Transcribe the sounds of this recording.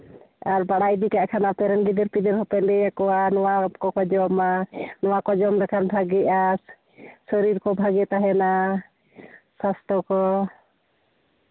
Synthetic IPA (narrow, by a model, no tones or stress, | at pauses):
aɾbaɽajd̪ikaʔkʰanapɛɾɛnɡid̪ɛɾpid̪ɛɾhɔpɛndɛjakɔwanɔwakɔkɔd͡ʒɔmanɔwakɔd͡ʒɔmɾɛkʰanbʱaɡɛʔas | səɾiɾkɔbʱaɡɛt̪aɦɛna | sast̪ɔkɔ